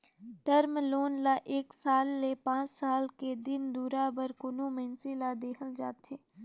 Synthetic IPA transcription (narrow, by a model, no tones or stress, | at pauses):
ʈəɾmloːnlaʔeːksaːlːepãːt͡ʃsaːlked̪ɪnd̪uːɾabəɾkʊnomẽnsilad̪eːkʰəld͡ʒaːt̪ʰeː